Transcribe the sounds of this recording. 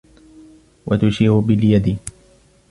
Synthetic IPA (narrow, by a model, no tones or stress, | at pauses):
wʔat̪ʊʃiːɾʊbɪljad̪ɪ